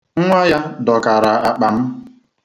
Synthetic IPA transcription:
ŋ̩˦ŋʷa˦ja˦dɔ˨ka˨ɾa˨a˨k͡pa˨m̩˦

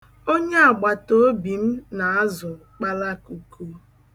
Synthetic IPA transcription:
o˦ɲe˦a˨ɡ͡ba˨to˦bi˨m̩˦na˨a˦zʊ˨k͡pa˦la˦ku˨kʰu˦

